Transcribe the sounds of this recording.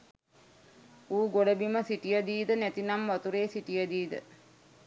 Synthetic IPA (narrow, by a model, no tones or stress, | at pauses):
uːɡoɖəbiməsiʈijəd̪iːd̪ənæt̪inamʋat̪uɾeːsiʈijəd̪iːd̪ə̰